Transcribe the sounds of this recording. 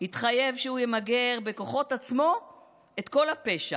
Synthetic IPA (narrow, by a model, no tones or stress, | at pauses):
hit̪χaje̞vʃehujemaɡe̞ʁbe̞ko̞χo̞tat͡smo̞ | e̞t̪ko̞lape̞ʃa